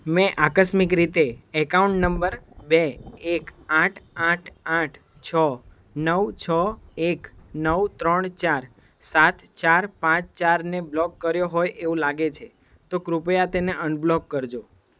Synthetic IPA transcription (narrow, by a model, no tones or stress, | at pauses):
mɛ̃ʔakəsmikɾit̪eɛkauɳʈnəmbəɾbeekãʈʰãʈʰãʈʰ | t͡ʃʰə | nəwt͡ʃʰəeknəwt̪ɾəɳt͡ʃaɾ | sat̪t͡ʃaɾpãt͡ʃt͡ʃaɾneblɔkːəɾjoɦojʔeʋũlaɡet͡ʃʰe | t̪okɾupjat̪eneʔənblɔkːəɾd͡ʒo